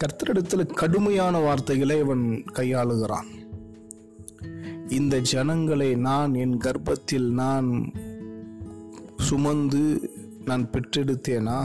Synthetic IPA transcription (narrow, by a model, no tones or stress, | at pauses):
kɐɾt̪ːɐɾɐɽɐt̪ːɪlɐkɐɽɯmɐjaːnɐʋaːɾt̪ɐɪɣɐɭɐɪʋɐnkɐjːaːɭɯɣɪra̰ːn | ɪnd̪ɐd͡ʒɛnɐŋɡɐɭɐɪnaːnɛnɡɐɾbɐt̪ːɪlnaːn | sʊmɐnd̪ɯ | naːnpɛʈrɛɽɯt̪ːeːnaː